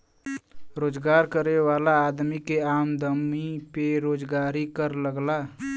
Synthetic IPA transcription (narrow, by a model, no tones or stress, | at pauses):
ɾoːd͡ʒɡaːɾkəɾewaːlaːd̪mikeaːmd̪əmipeɾoːd͡ʒɡaːɾikəɾləɡlaː